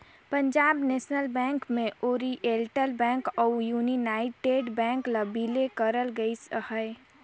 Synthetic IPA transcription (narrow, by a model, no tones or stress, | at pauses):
pə̃ɲd͡ʒaːbneːsnəlbɛ̃ŋkmẽʔoːɾiʔelʈəlbɛ̃ːŋkɔjuːninaːɪʈeːɖbɛ̃ːŋkləbilekəɾəlɡəishəe